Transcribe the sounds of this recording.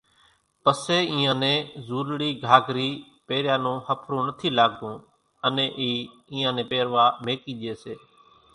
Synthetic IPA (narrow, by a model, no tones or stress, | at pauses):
pəseːĩːãːnẽːzuːɾɽiːɡʱaːɡɾiː | peːɾjãːnõːhəpʰɾõːnət̪ʰiːlaːɡd̪ũː | ənẽːʔiː | ĩːãːnẽːpeːɾʋaːmeːkiːɗɪeːseː